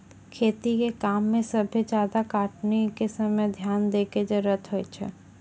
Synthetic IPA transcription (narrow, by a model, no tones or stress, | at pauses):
kʰeːt̪ikekaːmːẽsəbʱid͡ʒjaːd̪akaːʈnekesəməjd̪ʱjaːnd̪eːked͡ʒəɾət̪ʰɦoet͡ʃʰɛ̰